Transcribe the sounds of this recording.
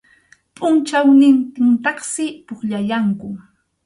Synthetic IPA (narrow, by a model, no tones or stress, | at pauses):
pʼʊnt͡ʃawnɪnt̪ɪnt̪ɑχsɪpʊχʎajaŋkʊ